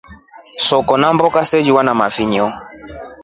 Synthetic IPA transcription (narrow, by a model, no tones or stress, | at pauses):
sɔkɔnambɔkasɛd͡ʒiwanamafiɲɔ